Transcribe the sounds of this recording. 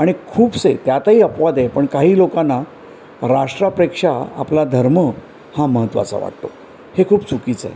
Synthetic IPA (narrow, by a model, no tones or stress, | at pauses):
aɽ̃ikʰuːbset̪jat̪aɦiːəpʋad̪epəɳkaɦiːlokanːa | ɾaʂʈɾapɾekʂaa̰plad̪ʱəɾmə | haməɦət̪ːʋa̰t͡sa̰ʋa̰ʈ̚t̪o̰ | hekʰuːbt͡sukiːt͡sḛ